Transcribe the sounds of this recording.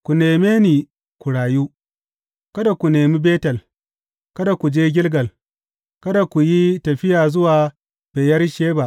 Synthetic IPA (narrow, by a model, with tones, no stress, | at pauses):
kʷu˨neː˨meː˦niː˨ | kʷu˨ɽaː˨juː˦ | kɐ˦da˨kʷu˨neː˨mi˦beː˦tɐ˨l | kɐ˦da˨ku˨d͡ʒeː˦ɡʲɪ˦lɡɐ˨l | kɐ˦da˨kʷu˨ji˦tɐ˨ɸɪ˦jaː˨zʊ˦waː˨ | b̥eː˨jɐ˦rʃeː˦ba˦˨ʔ